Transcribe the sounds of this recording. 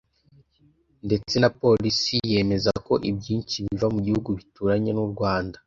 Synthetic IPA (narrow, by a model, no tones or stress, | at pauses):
nde̞t͡se̞napo̞lisije̞me̞zako̞ʔibɟiːnt͡ʃiβivamuɟihuɡuβituɾaɲe̞nuɾɡwaːnda